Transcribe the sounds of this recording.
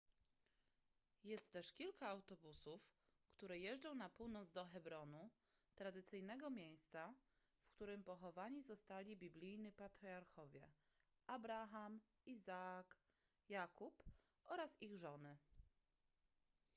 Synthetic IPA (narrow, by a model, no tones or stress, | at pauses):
jɛst̪ːɛʂkʲilkaːwt̪ɔbusuf | kt̪uɾɛjɛʐd͡ʐɔ̃w̃napuwnɔd̪zd̪ɔxɛbɾɔnu | t̪ɾad̪ɘt̪sɘjnɛɡɔmʲjej̃st̪sa | fkt̪uɾɘmpɔxɔvaɲizɔst̪alʲibʲiblʲijɲipat̪ɾʲiaɾxɔvʲjɛ | ʔabɾaxam | izak | jakup | ʔɔɾasiɣʐɔnɘ